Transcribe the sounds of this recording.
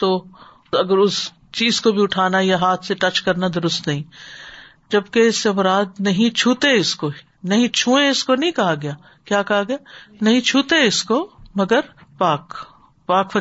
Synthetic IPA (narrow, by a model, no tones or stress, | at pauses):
t̪oː | ɐɡəɾʊs | t͡ʃiːzkobʱiʊʈʰaːnajaɦaːt̪ʰseʈɐt͡ʃkɐɾnad̪ʊɾʊst̪nɐɦĩː | d͡ʒɐbkeɪseɐmɾaːd̪nɐɦĩt͡ʃʰuːt̪eɪsko | nɐɦĩt͡ʃʰuːẽɪskonɐɦĩkɐɦaɡɐjaː | kjaːkɐɦaɡɐjanɐɦĩt͡ʃʰuːt̪eɪskomɐɡəɾpaːk | paːkfɐ